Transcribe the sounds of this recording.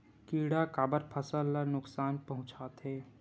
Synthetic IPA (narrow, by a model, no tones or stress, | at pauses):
kiːɽakaːbəɾpʰəsəlːanʊksaːnpɐɦʊ̃t͡ʃaːt̪ɦɛː